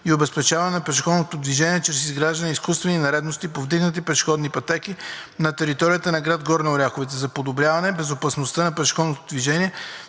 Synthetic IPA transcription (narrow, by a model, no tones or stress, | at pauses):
iobɛspɛt͡ʃavɐnɛnɐpɛʃxɔd̪not̪od̪viʒɛniɛt͡ʃɾɛsizɡɾaʒd̪əniskust̪vɛninɐɾɛd̪nost̪ipovd̪iɡnət̪ipɛʃxɔd̪nipɐt̪ɛkinɐt̪ɛɾit̪ɔɾijət̪ənɐɡɾad̪ɡɔɾnɛʊɾʲjaxovɛt̪ɛzɐpod̪obɾjavɐnɛbɛzopɐsnost̪ənɐpɾɛʃxɔd̪not̪od̪viʒɛniɛ